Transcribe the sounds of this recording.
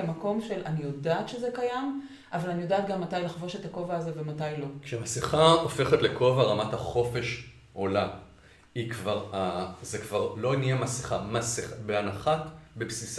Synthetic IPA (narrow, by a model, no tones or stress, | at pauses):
amako̞mʃe̞lʔanijo̞daːt̪ʃezekajam | ʔavalanijo̞daːt̪ɡamːatajlaχvo̞ʃetako̞vaːzevematajlo̞kʃemasiχaofe̞χetle̞ko̞vaʁamathaχo̞fe̞ʃ | ʔo̞la | ikvaʁazekvaʁlo̞nijemasiχamasiχabeanaχatbepsis